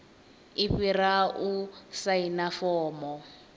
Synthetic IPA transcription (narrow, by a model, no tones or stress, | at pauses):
iɸiraʔusainafɔːmɔ